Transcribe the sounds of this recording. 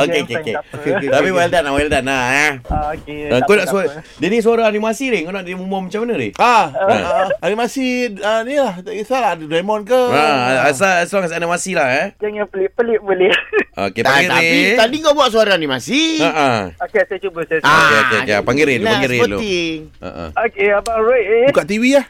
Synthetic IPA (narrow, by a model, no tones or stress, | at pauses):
okeokeket̪apiwaldanawɛldanaakedakonaʔsadenis̬uaɾaanimasiɾɪŋkonaʔdiimumɔmat͡ʃamanəɾɪ̰ha̰ | animasianilahisaladədamɔnkəaʔasaaslaŋas̬ianimasilahad͡ʒaŋapəlɪʔpəlɪʔ̚bəlio̰keppaŋɡiɾet̪adiŋɡabuaʔsuaɾaanimasiaʔəokesaat͡ʃubəsasakeo̰keokeapaŋɡiɾelopaŋɡiɾeəlo̰ɪa̰ʔə̰okeabaɹat̚kaʔt̪iwiah